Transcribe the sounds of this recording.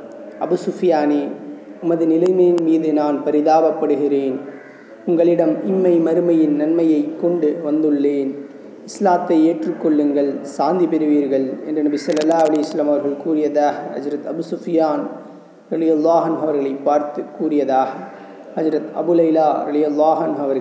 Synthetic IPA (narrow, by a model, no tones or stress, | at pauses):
ʔɐbɯsʊfɪjaːneʊmɐðɯnɪlɐɪmɐjɪnmiːðɯnaːnpɐɾɪðaːbɐpːɐɽɯɣɪɾeːn | ʊŋɡɐɭɪɽɐmɪmːɐɪmɐɾɯmɐjɪnnɐnmɐjɐɪkːɔɳɖɯʋɐnd̪ɯɭːeːn | ɪslaːt̪ːɐɪeːʈrɯkːɔɭːɯŋɡɐɭsaːnd̪ipɛɾɯʋiːɾɣɐɭɛ̰ndrɐnɐbɪsɐlːɐlːaːʋɐlɐjɐsɐlːɐmɐʋɐɾɣɐɭkuːrɪjɐðaːɣɐhɐ̰d͡ʒɾɐt̪ɐbʊsʊfɪjaːn | ɾɐðɪjɐlˠːaːɦɐnɦɐʋɐɾɣɐɭɐɪpːaːɾt̪ɯkuːrɪjɐðaːɣɐ | hɐd͡ʒɾɐt̪ɐ̰bʊlɐɪlaːɾɐðɪjɐlˠːaːɦɐnɦʊɐʋɐɾ